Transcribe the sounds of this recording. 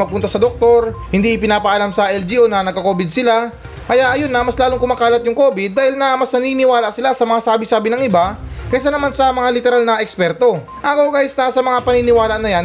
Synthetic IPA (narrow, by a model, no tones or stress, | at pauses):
ɐɡ̚pʊnt̪ɐsɐd̪ok̚t̪o̞ɾhɪnd̪iʔɪpɪnaːpɐʔɐlamsɐʔɛld͡ʒiʔonɐnɐɡkːɐko̞ːbɪd̪̚sɪla | kɐjaʔɐjonːɐmɐslaːloŋkʊmaːkaːlɐt̪̚jʊŋko̞ːbɪd̪̚ːaːhɪlnɐmɐsnɐniːnɪwaːlaʔsɪlasɐmɐŋasaːbɪsaːbɪnɐŋʔɪbakɐjsanɐmansɐmɐŋalɪt̪ɛɾalnɐʔɛkspɛɾt̪o̞ | ʔakowkɡaːjɪsnɐsɐmɐŋapɐninɪwaːlaʔnɐjan